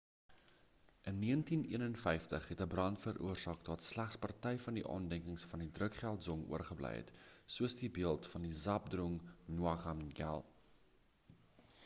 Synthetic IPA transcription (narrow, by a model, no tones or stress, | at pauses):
ʔənːiəntiniənənfɛjftəχɦɛtəbrɐntfərʔṵərsɑːkdɑːtslæχspɐrtɛjfɐndiʔɑ̰ːndɛŋkəŋsfɐndidrəkχælˠtzɔŋṵərχəblɛ̰jɛ̰tsuəsdibiəlˠtfɐndizɐp̚druŋnuɐkɐmɡæ̰lˠ